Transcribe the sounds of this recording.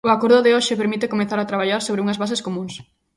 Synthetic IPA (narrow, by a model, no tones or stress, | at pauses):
ʊakoɾðʊðeoʃɪpeɾmit̪ekomeθaɾat̪ɾaβ̞aʎaɾsoβɾɪuŋɐzβasɪskomũŋs